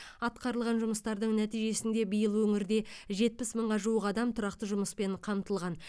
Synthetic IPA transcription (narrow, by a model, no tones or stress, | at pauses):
ɑt̪̚qɑɾəlˠʁɑnʒʊməst̪ɑɾd̪əɴnæt̪ijʒe̞sɪnd̪e̞bijəlˠwɵŋɪɾd̪e̞ʒe̞t̪̚pɪsməɴʁɑʒuəqɑd̪ɑmt̪ʰʊɾɑqt̪əʒʊməspe̞ɴqʰɑmt̪əlˠʁɑn